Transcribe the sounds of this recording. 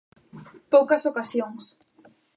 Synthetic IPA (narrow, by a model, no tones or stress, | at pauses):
powkɐsokasjoŋs